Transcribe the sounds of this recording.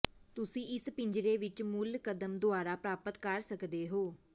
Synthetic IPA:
t̪ʊsĩːʔɪspɪ̃ɲd͡ʒɾeːʋɪt͡ʃmʊlkəd̪əmd̪ʊaːɾaːpɾaːpət̪kəɾsəkd̪eːɦoː

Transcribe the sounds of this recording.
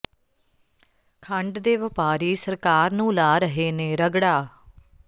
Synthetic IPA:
kʰəɳɖd̪eːʋəpaːɾiːsəɾkaːɾnũːlaːɾəɦeːnẽːɾəɡɽaː

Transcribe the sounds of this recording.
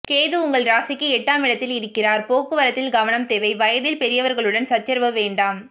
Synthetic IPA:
keːðɯʊŋɡɐɭɾaːsɪkːɯɛʈːaːmɪɽɐt̪ːɪlɪɾɯkːɪraːɾpoːkːɯʋɐɾɐt̪ːɪlɡɐʋɐnɐmt̪eːʋɐɪʋɐjɐðɪlpɛɾɪjɐʋɐɾɣɐɭɯɽɐnsɐt͡ʃːɐɾʋɐʋeːɳɖaːm

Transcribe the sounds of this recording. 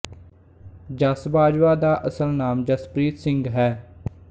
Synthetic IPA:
d͡ʒəsbaːd͡ʒʋaːd̪aːʔəsəlnaːmd͡ʒəspɾiːt̪sɪ̃ŋɡɦɛː

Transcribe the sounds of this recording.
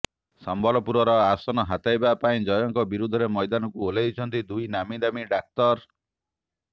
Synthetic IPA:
sɔmbɔlɔpuɾɔɾɔasɔnɔɦat̪ajbapaĩd͡ʒɔjɔŋkɔbiɾud̪ʱɔɾemɔjd̪anɔkuolajt͡ʃʰɔnt̪id̪ujnamid̪amiɖak̚t̪ɔɾ

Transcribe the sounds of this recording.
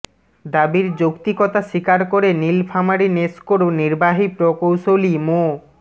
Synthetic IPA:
d̪abiɾd͡ʑokt̪ikɔt̪aʃikaɾkoɾenilfʰamaɾineskoɾoniɾbaɦipɾokowʃolimo

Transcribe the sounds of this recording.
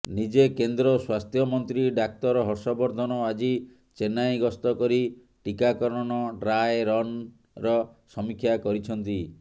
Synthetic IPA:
nid͡ʒekend̪ɾɔswast̪ʰjɔmɔnt̪ɾiɖak̚t̪ɔɾɔɦɔɾsɔbɔɾd̪ʱɔnɔad͡ʒi | t͡ʃenajɡɔst̪ɔkɔɾi | ʈikakɔɾɔnɔɾajɾɔn | ɾɔsɔmikʰːjakɔɾit͡ʃʰɔnt̪i

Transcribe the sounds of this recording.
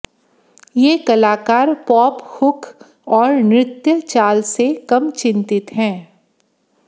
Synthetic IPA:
jeːkɐlaːkaːɾpɔːphʊkʰ | ɔːɾnɾɪt̪jət͡ʃaːlsekɐmt͡ʃɪ̃nt̪ɪt̪ɦɛ̃ː

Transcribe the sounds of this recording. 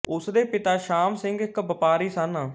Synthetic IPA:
ʊsd̪eːpɪt̪aːʃaːmsɪ̃ŋɡɪkbəpaːɾiːsən

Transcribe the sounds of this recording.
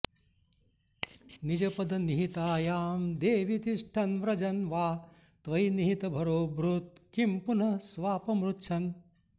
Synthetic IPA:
nid͡ʒɐpɐd̪ɐniɦit̪aːjaːmd̪eːʋit̪iʂʈʰɐnʋɾɐd͡ʒɐnʋaː | t̪ʋɐjniɦit̪ɐbʱɐɾoːbɾut̪̚kimpunɐsʋaːpɐmɾutːʃʰɐn

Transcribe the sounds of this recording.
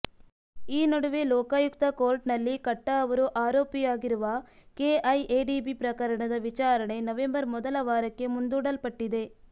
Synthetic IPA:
iːnɔɽɯʋeloːkaːjʊkt̪ɐkoːɾʈnɐlːikɐʈːaɐʋɐɾoʔaːɾoːpɪjaːɣɪɾɯʋaːkeːʔɐjʔeːɖiːbipɪɾɐkɐɾɐɳɐðɐʋɪt͡ʃaːɾɐɳɐɪnɐʋɛmbɐɾmɔðɐlɐʋaːɾɐkːemʊnd̪uːɽɐlpɐʈːɪðeː

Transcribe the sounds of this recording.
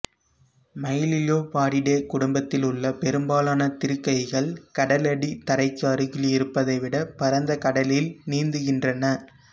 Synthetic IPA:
mɐjɪlɪloːpaːɽɪɽeːkʊɽʊmbɐt̪ːɪlʊɭːɐpɛɾɯmbaːlaːnɐt̪ɪɾɯkːɐɪɣɐɭkɐɽɐlɐɽit̪ɐɾɐɪkːaːɾɯɣɪlɪɾɯpːɐðɐɪʋɪɽɐpɐɾɐnd̪ɐkɐɽɐlɪlniːnd̪ɯɣɪndrɐnɐ

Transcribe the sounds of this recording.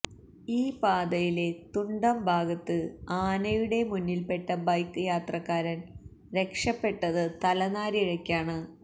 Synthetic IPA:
iːpaːd̪ɐjile̞t̪uɳɖɐmbʱaːɡɐt̪ːɨaːnɐjuɽe̞munːilpe̞ʈːɐbɐjkːɨjaːt̪rɐkːaːɾɐn | ɾe̞kʂɐpːe̞ʈːɐðɨt̪ɐlɐnaːɾiɻɐkʲːaːɳɨ

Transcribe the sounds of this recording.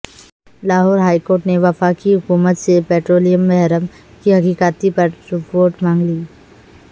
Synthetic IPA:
laːɦɔːɾɦaːikoːɾʈneʋɐfaːkiɦʊkuːmət̪sepeːʈɾoːlijəmːɛɦɾəm | kiɦɐkiːkaːt̪ipɐɾsʊpoːɾʈmãːŋɡliː

